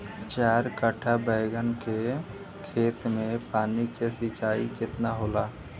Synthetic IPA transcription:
t͡ʃaːɾkəʈʰabəːɡənke | kʰeːt̪mẽpaːnikesit͡ʃaːikɪt̪naɦoːlaː

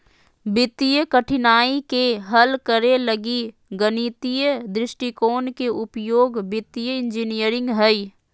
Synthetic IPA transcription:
bɪt̪ijəkəʈʰɪnaːikeɦəlkəɾeləɡi | ɡənit̪ijəd̪ɾɪʃʈikoːnkeʔʊpjoːɡbɪt̪ijəɪ̃nd͡ʒinijəɾɪ̃ŋɡɦəi

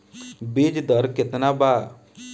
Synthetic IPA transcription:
bed͡ʒd̪əɾket̪naba

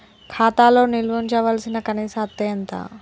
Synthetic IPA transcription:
kʰaːt̪aːlo̞ːnilʋuɲt͡ʃɐʋaːlsinɐkɐniːsɐ̃ɐt̪ːeɐnt̪a̰ː

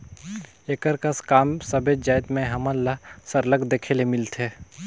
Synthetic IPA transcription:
eːkəɾkəskaːmsɐbed͡ʒaːjt̪mẽɦɐmə̃lasəɾləɡd̪eːkʰelemɪlt̪ʰeː

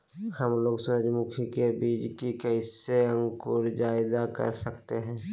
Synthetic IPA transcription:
həmloːɡsʊɾəd͡ʒmukʰikebiːd͡ʒkikɛɪseə̃ŋkuɾd͡ʒaːɪzakɐ̰ɾsəkt̪eɦɛ̃ː

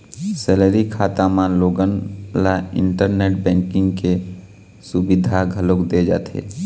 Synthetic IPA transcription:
sɛːləɾikʰaːt̪amãloːɡənlaɪ̰̃ɳʈəɾneːʈ̚bɛ̃ːŋkɪ̃ŋɡke | sʊbɪd̪ʱaɡʱəlokd̪ed͡ʒa̰ːt̪ʰḛː

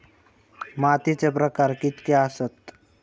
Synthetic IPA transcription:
mat̪it͡sep̬ɾəkaɾkit̪keasət̪

